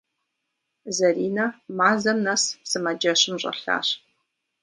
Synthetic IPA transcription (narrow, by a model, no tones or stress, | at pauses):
zɐriːnɐmaːzɐmnɐssɨmɐd͡ʒɐɕɪmɕʼɐ̰ɬa̰ːɕ